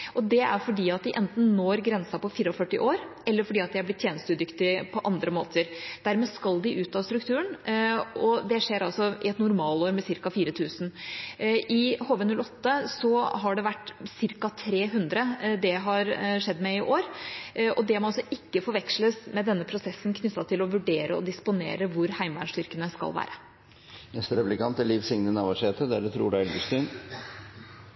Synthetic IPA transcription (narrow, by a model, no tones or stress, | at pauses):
ʔɔd̪ɛæ̰ɾfɔɖiːɑt̪̚d̪ɪʔɛnt̪n̩noːɾɡɾɛnsɑpɔfiːɾɔfœʈːɪ̰ʔoːɾɛlːəɾfɔɖiːɑt̪d̪ɪæblɪt̪ʰːjeːnəst̪ʉːt̪ːʏkt̪ɪpʰɔʔɑnd̪ɾəmo̰ːt̪ʰəɾd̪̥æɾmɛːskɑld̪ɪʔʉːt̪ɑːst̪ɾʉkt̪ʰʉːəɳ | ɔd̪ɛʂeːɾɑlsɔɪ̰ɛt̪nʊɾmɑːloːɾmɛsɪɾkɑfiːɾət̪ʰʉːsn̩ | ʔɪhoʋənʉlɔt̪ːəsɔɦɑɖɛʋæʈːsɪɾkɑt̪ʰɾeːɦʉnd̪ɾəd̪ɛɦɑɾʂɛd̪ːmɛɪʔoːɾʔɔd̪ɛhmnɑsɔʔɪkːəfɔɾʋɛkʂləsmɛd̪ɛnːəpʰɾʊsɛsːn̩kʰnʏt̪ːɑt̪ʰɪlɔʋʉɖeːɾʔəɔ̰d̪ɪspʊnḛːɾəʋʊɾhæɪmʋæ̰ɳʂt̪ʏɾkənəskɑ̰lʋæ̰ːɾə | ɛst̪ɾɛplɪkɑnt̪əliːʋsɪŋnənɑʋɑʂeːt̪əd̪æɖ̪ɛt̪ʰɾṵːɖææɛlɡəst̪yːn